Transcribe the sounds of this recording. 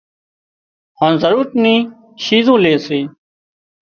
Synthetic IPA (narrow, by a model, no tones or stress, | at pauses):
hãːzəɾuːɾt̪nĩː | t͡ʃʰiːzõːleːseː